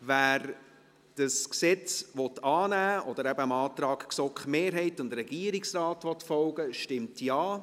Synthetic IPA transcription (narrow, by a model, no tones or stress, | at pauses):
væːɾ | d̥əsksɛt͡svɔtɑːnæːɔd̥̪əɾæbəəmɑːtɾɑːkksɔkχmeːɾɦɛɪtʊndɾɛɡ̥iəɾɪksrɑːtʋɔtfɔlɡəʃtɪmtʰjɑː